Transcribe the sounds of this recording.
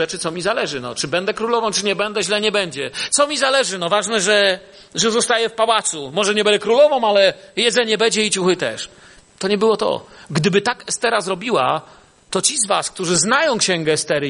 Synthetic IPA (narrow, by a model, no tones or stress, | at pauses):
ɛt͡ʂɘt̪sɔmʲizalɛʐɘnɔ̰t͡ʂɘbɛnd̪ɛkɾulɔvɔ̃w̃t͡ʂɘɲɛbɛnd̪ɛʑlɛɲɛbɛɲd͡ʑɛt̪sɔmʲizalɛʐɘnɔvaʐnɛʐɛ | ʐɛzɔst̪ajɛfpawat̪sumɔʐɛɲɛbɛnd̪ɛkɾulɔvɔ̃w̃alɛjɛd̪zɛɲɛbɛɲd͡ʑɛit͡ɕuxɘt̪ɛ̰ʂ | t̪ɔɲɛbɘwɔt̪ɔ̰ɡd̪ɘbɘt̪akɛst̪ɛɾazɾɔbʲiwa̰ | t̪ɔt͡ɕizva̰sk̚t̪uʐɘznajɔ̃w̃kɕɛŋɡɛːst̪ɛɾ